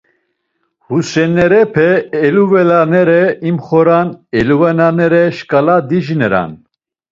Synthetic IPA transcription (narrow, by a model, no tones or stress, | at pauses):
husɛnɛɾɛpʰɛːluvɛlanɛɾɛimχɔɾanɛluvɛnanɛɾɛʃkʼalad̪iʒinɛɾa̰n